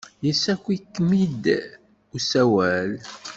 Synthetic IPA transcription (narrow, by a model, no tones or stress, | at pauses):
jəsækʷːikːmid̪ | usæwæl